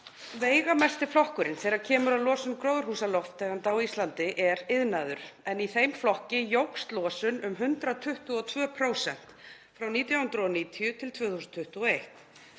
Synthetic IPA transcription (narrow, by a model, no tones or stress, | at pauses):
veːjɣamɛst̪ɪflɔhkʏɾɪnθɛːɣaɾcʰɛːmʏɾaðlɔːsʏmkɾowðʏɾ̥huːsalɔft̪ːɛɣant̪awist̪lant̪ɪʔɛɾɪðnaðʏɾ̥ɛniθejmflɔhcɪjowkst̪lɔːsʏnʏmɦʏnt̪ɾat̪ʰʏht̪uɔt̪ʰvœːpʰɾoːwsɛn̥t̪ | fɾawniːt̪jahʏnt̪ɾɔniːt̪ʰijʏt̪ʰɪlt̪ʰv̥œːθusnt̪ʰʏht̪uɔejht̪